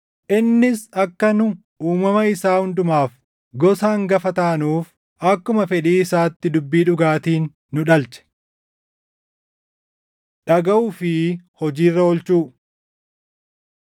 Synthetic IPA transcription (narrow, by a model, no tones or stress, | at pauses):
ʔɪnːɪsɐkːɐnʊ | uːmɐmɐɪsaːhʊnd̪ʊmaːf | ɡɔsaːŋɡɐfɐt̪aːnuːf | ɐkːʊmɐfɛᶑiːɪsaːt̪ːɪd̪ʊbːiːᶑʊɡaːt̪iːnː | ʊᶑɐlt͡ʃɛ̥ | ᶑɐɡɐuːfɪhɔd͡ʒiːrːɐɔlt͡ʃuː